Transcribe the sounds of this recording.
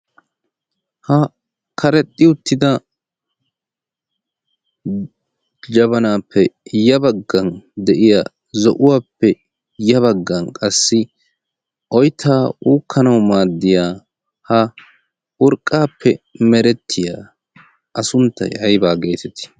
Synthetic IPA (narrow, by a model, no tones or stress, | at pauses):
hɐ | kʰɐɾɛt̪ʼːɪʊt̪ːɪd̪ɐ | d͡ʒɐβɐnaːpːɛjɐbɐɡːɐnd̪ɛʔɪjaː | zɔʔʊwaːpːɛ | jɐβɐɡːɐnkʼɐsːɪ | ʔɔjt̪ʰːaːuːkʰːɐnɐwmaːd̪ːɪjaː | hɐ | ʔʊɾkʼːaːpʰːɛmɛɾɛt̪ʰːɪjaː | ʔɐsʊnt̪ːɐ̰jɐjbaːɡe̞ːt̪ɛt̪ɪ̥